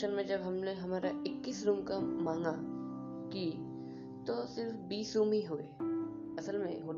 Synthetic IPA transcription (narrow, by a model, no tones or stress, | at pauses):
ənmẽd͡ʒɐbɦɐmneɦɐmaːɾaɪkːɪsɾuːmkamãːŋɡa | ki | t̪osɪɾfbiːsɾũːmiɦoːe | ɐsəlmḛ̃ɦoː